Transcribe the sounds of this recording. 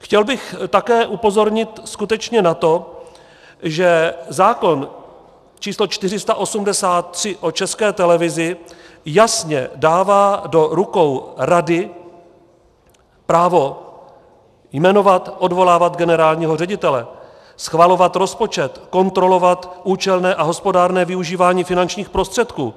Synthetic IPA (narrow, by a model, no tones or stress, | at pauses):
xcɛlbɪxt̪akɛːʔupo̞zo̞ɾɲɪt̪skut̪ɛt͡ʃɲɛnat̪o̞ | ʒɛzaːko̞n | t͡ʃiːslo̞t͡ʃt̪ɪr̝ɪst̪aʔo̞sumdɛsaːt̪ːr̝̥ɪʔo̞t͡ʃɛskɛːt̪ɛlɛvɪzɪ | jasɲɛ̰daːvaːdo̞ɾukowɾadɪ | pɾaːvo̞ | jmɛno̞vat̪ʔo̞dvo̞laːvat̪ɡɛnɛɾaːlɲiːɦo̞rɛɟɪt̪ɛlɛ | sxvalo̞vat̪ɾo̞spo̞t͡ʃɛt̪ko̞nt̪ɾo̞lo̞vat̪ʔuːt͡ʃɛlnɛːʔaɦo̞spo̞daːɾnɛːvɪuʒiːvaːɲiːfɪnant͡ʃɲiːxpɾo̞st̪r̥ɛt̪kṵː